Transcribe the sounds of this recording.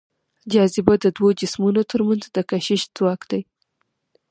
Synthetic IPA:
d͡ʒɑzɪbad̪əd̪wod͡ʒɪsmunot̪ʰəɾmanzd̪əkaʃɪʃzwɑkd̪aj

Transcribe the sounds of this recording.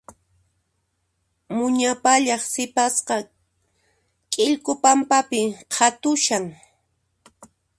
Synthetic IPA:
mʊɲapaʎɑχsɪpasqɑ | kʼɪʎkʊpampapɪqʰat̪ʊʃaŋ

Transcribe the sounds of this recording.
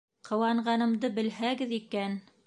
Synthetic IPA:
qʰɤ̆wɑɴɢɑnɤ̆md̪ɤbɘ̆lhæɡɘðikæn

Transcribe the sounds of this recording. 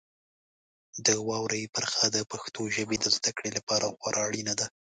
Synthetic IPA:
d̪əwɑwɾajpaɾxad̪əpaxt̪oʒəbed̪əzd̪akɽelapɑɾaxwaɾʔɑɽinad̪a

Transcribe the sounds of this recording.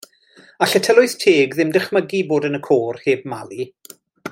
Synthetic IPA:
aɬətʰəlˠʊɨθtʰeːɡðɪmdəχməɡiboːdənəkʰoːrheːb̚malˠi

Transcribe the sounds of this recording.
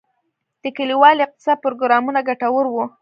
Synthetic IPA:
d̪̥əkaliwɑlɪq̚t̪ɪ̥sɑpɾoɡɾɑmunaɡaʈawəɾwu

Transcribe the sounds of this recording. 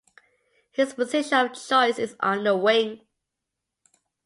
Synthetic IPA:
hɪzpəzɪʃəəlt͡ʃʰɔɪsɪzə̃nðəwɪ̃ŋ

